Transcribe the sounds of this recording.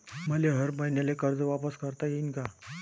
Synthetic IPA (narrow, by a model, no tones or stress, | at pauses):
məleɦəɾbajnjalekəɾd͡zəʋapəskəɾt̪ajinka